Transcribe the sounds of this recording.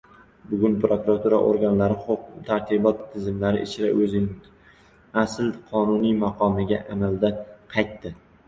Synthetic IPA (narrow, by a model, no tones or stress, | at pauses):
bʊɡʲʊnpɾokʊɾat̪ʰuɾa̰ʔoɾɡʲanlaɾɪχoqt̪ʰaɾt̪ʰibɒt̪ʰːɪzɪmlaɾɪ̰ʔɪt͡ʃʰɪɾaʔɵzɪnɪ | aslqʰɒnʊnijmaqʰɒmɪɡʲa̰ʔamald̪aqʰɑjt̪ːɪ